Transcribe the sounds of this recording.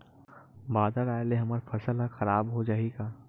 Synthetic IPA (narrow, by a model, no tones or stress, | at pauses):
baːd̪aɾaːeleɦɐməɾfʰɐsəlaxɐɾaːbɦod͡ʒaːiɡaː